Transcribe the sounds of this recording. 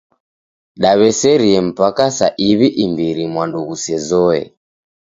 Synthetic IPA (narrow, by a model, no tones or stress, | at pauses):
ɗaβɛsɛɾiɛm̩pakasa̰ʔiβiʔimbiɾimwanduɣusɛzɔɛ̰